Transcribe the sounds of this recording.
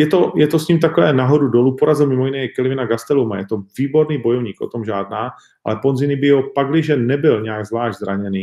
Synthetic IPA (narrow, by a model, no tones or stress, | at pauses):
jɛt̪o̞jɛt̪osɲimt̪akovɛːnaɦo̞dudo̞lupoɾazɪlmɪmojɪnɛɛkɛlɪvɪnaɡast̪ɛlumajɛt̪oviːbo̞ɾniːbo̞jovɲiːko̰t̪omʒaːdnaː | ʔa̰lɛponzɪnɪbɪɦopaɡlɪʒɛnɛbɪlɲɛaɡzlaːʒɟzɾaɲɛniː